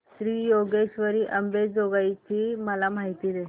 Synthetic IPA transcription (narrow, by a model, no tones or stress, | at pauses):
sɾiːjoɡeɕʋəɾiːʔəmbed͡zoɡajt͡ɕiːməlamaɦit̪iːd̪e